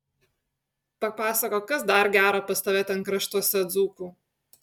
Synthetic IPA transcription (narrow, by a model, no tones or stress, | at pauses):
pɐpɑːsɐkoːkɐsd̪ɐɾɡʲæːɾɐpɐst̪ɐʋʲeːt̪ʲɛnkɾɐʃt̪uɔsʲɛd̪zuːkuː